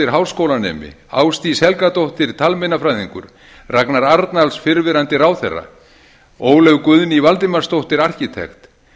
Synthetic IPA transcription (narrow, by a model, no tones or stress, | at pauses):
ɪɾ̥ɦawskowlanɛ̰ːmɪ̰ | a̰ːwst̪ishɛlkat̪owht̪ɪɾt̪ʰalmɛnafɾajðiŋkʏɾ̥ | raknaɾaɾt̪nalsfɪɾvɪɾant̪ɪɾaːwθɛrːa̰ | oːwlœɣkʏðnɪivalt̪ɪmarst̪owht̪ɪɾar̥cɪt̪ʰɛ̰xt̪